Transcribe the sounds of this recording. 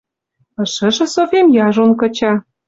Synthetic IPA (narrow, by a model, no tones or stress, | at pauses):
ɤ̆ʃə̆ʒɤ̆sofʲemjɑʒonkɤ̆t͡ɕɑ